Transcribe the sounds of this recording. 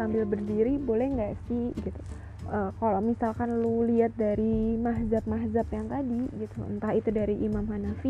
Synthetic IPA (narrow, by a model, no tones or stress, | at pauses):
ambɪlbərdiɾibolɛhŋɡaʔsihɡit̪u̥ | ʔəːkalamisalkanluliat̪̚daɾimaɦzap̚maɦzapjaŋt̪adiɡit̪uə̰nt̪ahit̪udaɾiʔimamhanafi